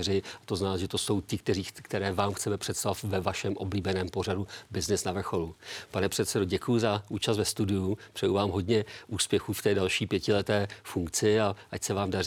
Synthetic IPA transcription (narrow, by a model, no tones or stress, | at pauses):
rɪat̪o̞znaːʒɛt̪oso̞wt̪ɪkt̪ɛriːkt̪ɛɾɛːvaːmxt͡sɛmɛpr̝̥ɛt̪st̪avat̪vɛvaʃɛmʔo̞bliːbɛnɛːmpo̞radubɪznɪsnavr̩xo̞lupanɛpr̥ɛt̪sɛdoɟɛkujʊzaʔuːt͡ʃasvɛst̪udɪjupr̥ɛjuvaːmɦo̞dɲɛʔuːspjɛxuːft̪ɛːdalʃiːpjɛcɪlɛt̪ɛːfuŋkt͡sɪaʔacsɛvaːmdar